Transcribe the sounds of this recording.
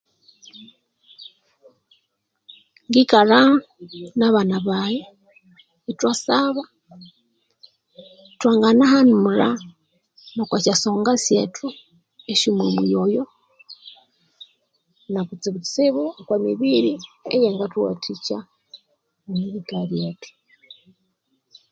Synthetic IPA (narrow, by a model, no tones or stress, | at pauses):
ŋɡikaɾa | naβanaβaje | itwasaβa | twaːŋɡanahanimuɾa | nokwacasoːŋɡasjḛtʰu | eʃimwemujojo | nakut͡siβusiβukwamiβiɾiḛjeŋɡatwo̰tʰica | miβikaɾjetu̥